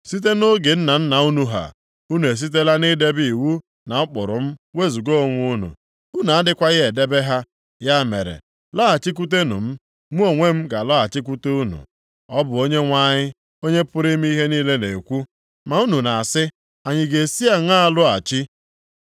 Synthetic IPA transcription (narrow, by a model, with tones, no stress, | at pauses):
si˦t̬e˦no˦ɡe˨n̩˦na˨n̩˦na˨u˦nu˨ɦa̰˨ | u˦nu˨e˨s̬i˦t̬e˦la˦ni˦de˦bi˨i˨wu˦ | na˨ʊ˦k͡pʊ˨ɾʊ̰˨m̩˦we˦zu˨ɡo˦˨˦ŋʷu˦nṵ˨ | u˦na˨a˦dɪ˦kʷa˦ɣɪ˦e˨de˦be˦ɦa˦ | ja˦mḛ˨ɾḛ˨ | lɔ˦a˨t͡ʃi˦k̬u˦t̬e˦nṵ˨m̩˦ | mu˦o˨ŋʷe˦m̩˦ɡa˨lɔ˦a˨t͡ʃɪ˦k̬u˦te˦u˦nṵ˨ | ɔ˦bʊ˨o˦ɲe˦ŋʷa˦ɲɪ˦ | o˦ɲe˦pʊ˦ɾi˦m˦i˦ɦe˦niː˦le˦nḛ˨kʷu˦ | ma˨u˦nu˨na˨a˨sɪ˦ | a˨ɲɪ˨ɡe˨si˦a˦ŋa˦a˦˨lʊ˦a˨t͡ʃi˦